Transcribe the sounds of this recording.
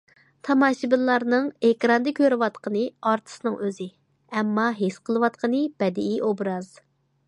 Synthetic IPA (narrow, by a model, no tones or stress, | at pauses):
t̪ʰɑmɑʃibɪllˠɑɾnɨŋehkɾɑnd̪ɨkʲʰøɾɪwɑt̪qʰənɨɑɾt̪ʰɨ̥snɨŋʔøzɪ | ɛmːɑɦesqʰəlˠɨwɑt̪̚qʰənɨb̥ɛd̪ɪiʔobɾɑz̥